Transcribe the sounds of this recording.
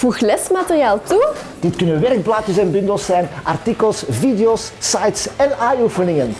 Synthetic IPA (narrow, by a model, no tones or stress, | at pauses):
v̥uxlɛsmatərjaːlˠtud̥ɪtkɵnənʋɛrɡ̚blaːtəsɛnbʏndəlˠsɛjnʔartikəlˠsvideoːsːajtsɛnaːnufənɪŋən